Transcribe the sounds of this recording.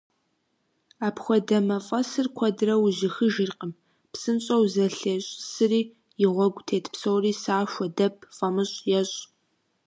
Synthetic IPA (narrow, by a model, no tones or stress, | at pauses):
aːpxʷɔdɐmɐfʼɐsɨrkʷʰɔdɨrɐwʑɪxɨʒɪrqʼəm | psɨnɕʼɐwzɐɬeɕʼsɨriː | jɪʁʷɔɡʷtʰeːtʰpsowriːsaːʃʷɔdɐpʰfʼɐmɨɕʼjɛɕʼ